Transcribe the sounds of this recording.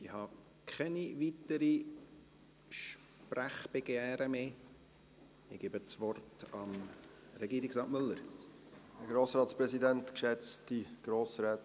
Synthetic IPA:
ɪhɑ | kʰχɛnivitəɾi | ʃ | præχb̥ɛɡ̥jɛːɾəmeː | ɪɡ̥iːbət͡sʋɔrtɑm | ɾɛɡiːɾiɡsɑːtmɵlːəɾ | dəɡɾoːsɾɑːtspɾɛsidɛntkʃɛt͡stiɡ̥ɾoːsɾɛːt

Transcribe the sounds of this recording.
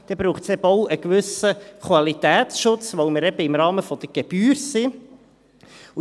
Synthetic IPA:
d̪̥ɛbɾuːχtsɛbəɔʊʔəkʋʏsəkʋɑlit̪æːt̪sʃʊt͡sʋowmɪɾɛb̥əɪmɾɑːməfɔd̥̪əɡ̥eb̥yːɾsi | u

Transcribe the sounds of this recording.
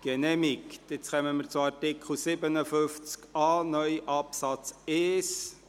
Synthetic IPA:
ɡ̥ɛnɛmikt̪ɪt͡sχœməməɾt͡sʊɑɾtɪkʰχl̩sɪbənəfʏft͡skɑːnœʏʔɑpsɑt͡sɛːs

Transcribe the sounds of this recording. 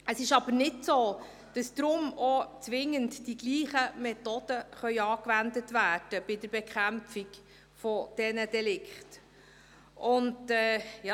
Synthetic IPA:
əsɪʃɑbəɾnɪtsoː | d̥ɑsd̥ɾʊmɔt͡sʋɪŋəntdiɡliːχəmɛtod̥əχœʏɑːkʋændətvæːd̥əb̥ɪdəɾb̥ɛkχæmfik | fɔd̥ɛnədɛlɪkχt | ʔʊndɛjɑ

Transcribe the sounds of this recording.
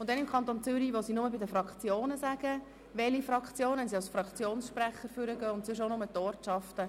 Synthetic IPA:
ʊntdɛnɪmkʰɑnt̪ont͡sʏɾiʋosinʊməbɪdəfɾɑkt͡sjoːnəsæɡ̥ə | ʋɛlifɾɑkχt͡sjoːnənsiɑlsfɾɑkt͡sjoːnsʃpræχəɾfʏɾəɡœːʊntsʏʃ̬onʊmətɔːɾtʃɑftə

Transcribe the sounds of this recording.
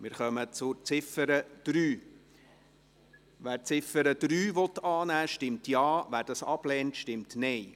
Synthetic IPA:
mɪːɾχœmət͡sʊɾt͡sɪfəɾəd̥ɾyː | ʋæːɾt͡sɪfəɾəd̥̪ɾyːʋɔt̪ːɑːnæːʃtɪmtjɑːʋæːɾd̥ɑsɑ̰b̥lɛːntʃtɪmtnɛɪ

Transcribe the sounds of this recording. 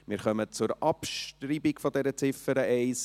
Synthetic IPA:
mɪːɾχœmət͡sʊɾɑpʃtɾibiɡfɔd̪ɛɾət͡sɪfəɾəʔɛɪs

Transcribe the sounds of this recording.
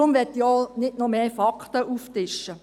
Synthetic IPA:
ʊmʋɛtːiɔnɪtnɔmeːfɑkʰt̪əuːftɪʃə

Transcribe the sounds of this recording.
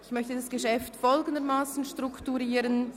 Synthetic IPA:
ɪçmœçtədasɡ̥eʃɛftfɔlɡən̩d̪əmaːsn̩ʃtʁ̥ʊktuʁiːɾən

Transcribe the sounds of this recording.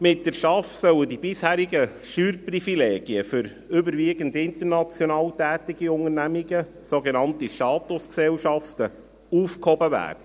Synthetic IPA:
mɪt̚dɛɾʃɑfsœwədibɪshæːɾiɡə | ʃyːɾprifileːɡ̥iəfʏɾ | ʏbəɾʋiːɡən̩dɪnt̪əɾnɑt͡sjɔnɑːltæːtiɡ̥iʊŋəɾnæmiɡə | soɡenɑntiʃtɑːt̪ʊsksɛlʃɑftə | uːfkhɔbəvæ̰ːɾdə

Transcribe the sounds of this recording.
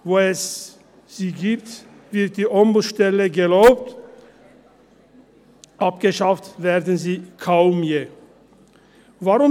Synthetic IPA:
voːɛs | z̥iːɡiːpt | v̥ɪɐt̚d̥iːʔɔmbʊʃtɛləɡəloːpt | ʔap̚ɡ̥əʃaftveːʁdn̩ziːkʰaʊmjeː | vaʁʊ

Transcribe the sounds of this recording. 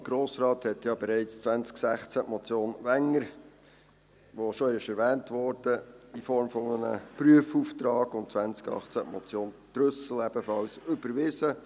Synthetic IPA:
ɡ̥ɾoːsɾɑːthɛtjɑbɛɾɛɪt͡st͡sʋænt͡sksæχt͡sæmɔt͡sjoːnʋæŋːəɾ | ʋoʃoɪʃɛɾʋɛːntʋɔɾd̥əifɔɾmfɔmənə̰pɾyəfuːft̪ɾɑːɡʊntt͡sʋænt͡skɑ̰χt͡sæʔmɔt͡sjoːntɾʏsl̩ɛbəfɑlsʏbəɾʋɪsə

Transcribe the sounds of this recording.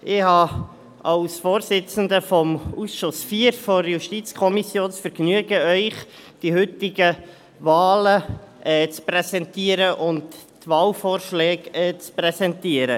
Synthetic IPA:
ʔɪhɑː | ɑlsfoːrsɪt͡sn̩d̪əfɔmusʃʊsfiːəɾfɔɾjuʃtit͡skʰɔmisjoːnt͡sfəɾknyəɡəœʏχd̥ihʏtɪɡə | vaːləʔɛːt͡sprɛsɛntiəɾəʔʊnttvɑːlfoːɾʃlɛːkɛːt͡sprɛsɛntiəɾə

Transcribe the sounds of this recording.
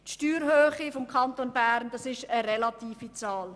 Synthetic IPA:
tʃtyːɾɦøːχifɔmkʰɑnt̪onbæːɾnd̥ɑsɪʃəɾɛlɑt̪iːfit͡sɑːl

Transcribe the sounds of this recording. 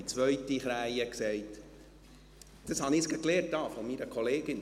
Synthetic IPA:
it͡sʋœɥtiχɾæjəksɛɪt̪ | d̥ɑshɑnɪːsɡɑkleːrt̚d̥ɑːfɔmiɾəkʰɔleːɡɪn

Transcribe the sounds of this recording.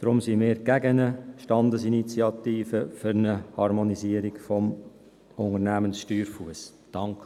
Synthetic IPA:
d̥ɾʊmsimɪːɾɡ̥æɡənəʃtɑndəsinit͡siɑt̪iːfəfʏɾnəhɑɾmɔniziəɾikfɔm | ʊŋərnæːmənsʃtyːɾfuəs | d̥ɑŋk

